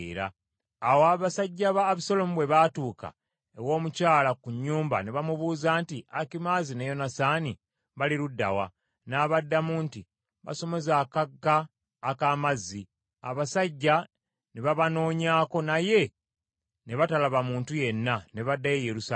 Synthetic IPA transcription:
ɾa̰ː | woaβasaɟːaβaːβisolo̞muβwe̞βatuːka̰ | ewo̞ːmucaːlakuɲːuːmba̰neβamuβuːzaːntiakimazinejo̞nasaːni | βaliɾudːa̰wa̰ | naːβadːamuːnti | βa̰so̞mo̞zaːkaɡːaː | kaːmazːi | a̰βasaɟːa | neβaβano̞ːɲaːko̞naje̞ | ne̞βatalaβamuːntuje̞nːane̞βadːajejeɾusa

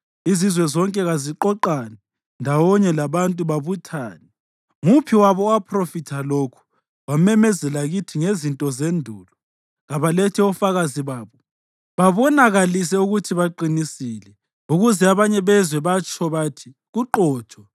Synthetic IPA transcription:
izizwɛzɔŋkʼɛɣaziǃɔǃanɛ | ndʱawɔɲɛlaβantʼuβaβutʰaːnɛ | ŋupʰiwaβɔapʰrofitʰalokʰu̥ | wamɛmɛzɛlaɣitʰiŋezintʼɔzendʱuːlɔ | ɣaβalɛtʰɛɔfaɣaziβaːβɔ | βaβɔnaɣalis̬ɛuɣutʰiβaǃinisilɛ | uɣuzɛaβaɲɛβɛzwɛβat͡ʃʼɔβatʰi̥ | ɣuǃɔːt͡ʃʼɔ

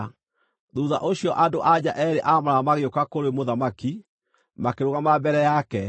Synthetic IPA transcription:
ðuðaʔoɕiɔʔadoʔad͡ʑaʔɛɾeʔamaɾaamaɣeokakoɾwemoðamaki | makeɾoɣamabɛɾɛjakɛ

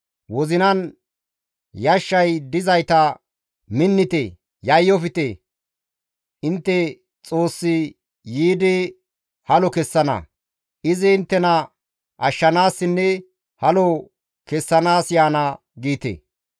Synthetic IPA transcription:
wɔzɪnɐn | jɐʃːɐjd̪ɪzɐjt̪ɐ | mɪnːɪt̪ḛ | jɐjːɔfɪt̪e | ɪnt̪ːɛ | t͡sʼoːsːɪ | jiːd̪ɛ | hɐlɔkɛsːɐnɐ̰ | ʔɪzɪɪnt̪ːɛnɐ | ʔɐʃːɐnaːsːɪnːɛ | hɐlɔ | kɛsːɐnaːsjaːnɐ | ɡiːt̪ḛ

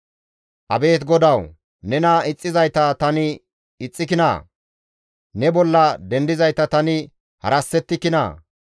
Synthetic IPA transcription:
ʔɐbe̞ːt̪ɡɔd̪ɐw | nɛnɐɪt͡sʼːɪzɐjt̪ɐt̪ɐnɪ | ɪt͡sʼːɪkɪna̰ː | nɛbɔlːɐd̪ɛnd̪ɪzɐjt̪ɐt̪ɐnɪ | hɐ̰ɾɐsːɛt̪ːɪkɪna̰ː

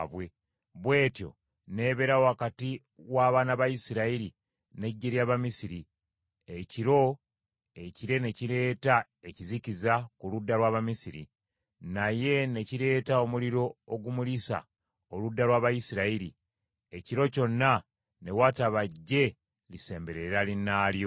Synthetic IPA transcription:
βwe | βwe̞ːtjo̞̰ | ne̞ːβe̞ɾawakati | waːβaːnaβajisiɾaiɾi | ne̞ɟːe̞ɾjaβamisiɾi | eciɾo̞ | e̞ciɾe̞ne̞ciɾe̞ːta | e̞cizicizakuludːalwaːβamisiɾḭ | naje̞ne̞ciɾe̞ːtao̞muliɾo̞ːɡumulisa̰ | oludːalwaːβajisiɾaiɾi | e̞ciɾo̞co̞nːa | ne̞waːtaβaɟːe̞ | lise̞ːmbe̞ɾe̞ɾalinːaːljo̞

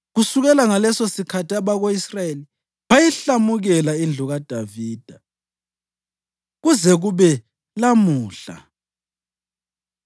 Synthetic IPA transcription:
ɣusuɣɛlaŋalɛsosikʰatʰiaβaɣoisrajeli | βajiɬamuɣɛlaind͡ɮʱuɣad̥ʱaviːd̥ʱa | ɣuzɛɣuβɛ | lamuːɬa̰

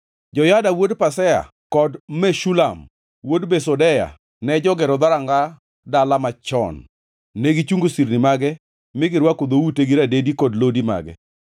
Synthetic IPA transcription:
d͡ʒɔjadawodpasɛa̰ | kɔdmɛʃulam | wodbesɔdɛja̰ | nɛd͡ʒɔɡɛɾɔd̪aɾaŋɡa | dalamat͡ʃɔ̰nː | eɡit͡ʃuŋɡosiɾnɪmaɡɛ | mɪɡɪɾwakod̪outeɡiɾadedikɔdlodima̰ɡɛ̰

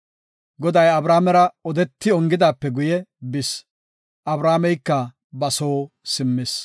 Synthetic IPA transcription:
ɡɔd̪ɐjɐbɾaːmɛɾɐɔd̪ɛt̪ːɪɔŋɡɪd̪aːpːɛɡʊjɛbɪs | ʔɐbɾaːmɛjkːɐ | bɐsoː | sɪmːɪs

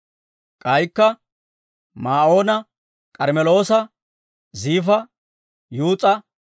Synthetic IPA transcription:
kʼɐjkːɐ | maːʔo̞ːnɐ | kʼɐɾmɛlo̞ːsɐ | ziːfɐ | juːt͡sʼɐ

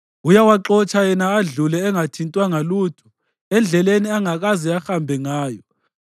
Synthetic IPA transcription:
ujawaǁɔt͡ʃʰʼajɛnaːɮulɛːŋatʰintʼwaŋaluːtʰu̥ | ɛnd͡ɮʱɛleniaŋak̬ʼaziaxambʱɛŋaːjɔ

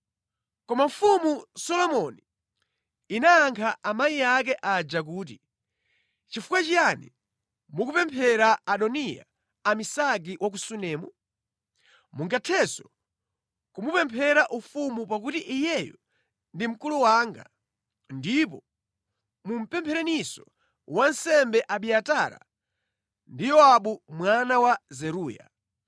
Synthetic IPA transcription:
kɔmaɱ̩fumusɔlɔmɔni | inaːŋkʰaʔamaijak̬ɛʔad͡ʒak̬uːt̬i | t͡ʃifu̥kwat͡ʃijanḭ | mukupɛmpʰɛɾaaɗɔnija̰ | amisaɡ̬iwʔak̬usunɛːmu | muŋɡatʰɛsɔ | kumupɛmpʰɛɾaʔufumupak̬utiʔijɛjɔ | ndim̩kuluwaːŋɡa̰ | ndip̬ɔ | mum̩pɛmpʰɛɾɛnisɔ | wansɛmbɛʔaɓiataɾa̰ | ndijɔaɓumwanawazɛɾuːja̰

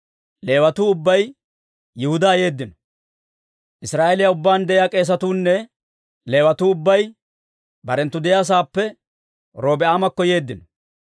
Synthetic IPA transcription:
le̞ːwɐt̪uːʊbːɐj | jɪhʊd̪ɐːje̞ːd̪ːɪnɔ̥ | ʔɪsɾaːʔelɪjaʊbːaːnd̪ɛʔɪjaːkʼe̞ːs̬ɐt̪uːnːɛ | le̞ːwɐt̪uːʊbːɐj | bɐɾɛnt̪ːʊd̪ɛjaːs̬aːpːɛ | ɾo̞ːbɛaːmɐkːɔje̞ːd̪ːɪnɔ

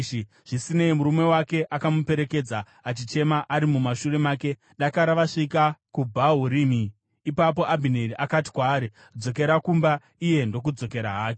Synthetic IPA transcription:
i | ʐ̥isineimuɾume̞wake̞ʔakamupe̞ɾe̞ke̞d͡za | at͡ʃit͡ʃe̞maʔaɾimumaʃuɾe̞maːke̞ | ɗakaɾaʋaʂikakubʱaɦuɾiːmiː | pap̬o̞ʔabʱineɾiʔakati̥kwaːɾi | d͡zo̞k̬e̞ɾakumba | ije̞ndo̞k̬ud͡zo̞ke̞ɾaɦaːke

